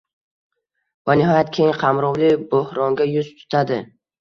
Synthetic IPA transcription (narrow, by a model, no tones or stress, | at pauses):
vanɪɦɒjat̪̚kʲʰejɪŋqʰɑmɾɒwlɪbohɾɒŋɡʲajʊzt̪ʰʊ̥t̪ʰad̪ɪ